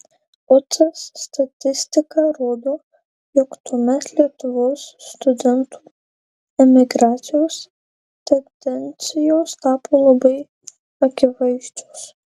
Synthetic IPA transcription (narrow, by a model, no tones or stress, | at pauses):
ʊt̪sɐsːt̪ɐt̪ʲɪsʲt̪ʲɪkɐɾoːd̪oː | joːkt̪uːmʲɛt̪lʲiɛt̪ʊʋoːsːt̪ʊd̪ʲɛnt̪u̥ | ɛmʲɪɡɾɑːt̪sʲɪjoːs | t̪ʲɛnd̪ʲɛnʲt̪sʲɪjoːst̪ɑːpʰoːlˠɐbɐɪ | ɐkʲɪʋɐɪʒʲd͡ʒʲos